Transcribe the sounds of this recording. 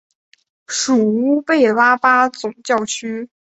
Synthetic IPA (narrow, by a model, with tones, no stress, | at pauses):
ʂu˨˩u˥pe˥˩ɪla˥pa˥t͡sʊ˨˩ŋt͡ɕjɑ˥˩ʊt͡ɕʰy˥